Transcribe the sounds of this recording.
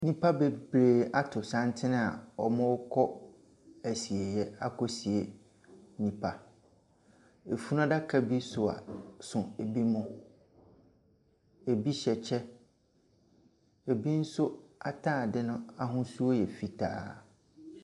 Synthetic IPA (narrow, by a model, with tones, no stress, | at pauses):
nĩ˦pʰa˦be˨bɾeː˨a˦tʰʊ˨sã˦ntʰɪ˦nɪ̃˦a̰˨ɔ˨mʊ̃˦wkʰɔ˦ | æ˨si˨e˨jɛ˦a˦kʰɔ˦si˨e˨ | nĩ˨pʰa˨ | e˨fu˦nã˦da˦kʰa˦bi˦sʊ˨a̰˨sʊ̃˨e˨bi˦mʊ̃˦ | e˨bi˦ɕɛ˨t͡ɕʰɛ˦ | e˨bi˦n̩˦sʊ˦a˦tʰaː˦˨dɪ˦nʊ̃˦a˦ɦʊ̃˦su˦o˦jɛ˨fi˦tʰa̰ː˦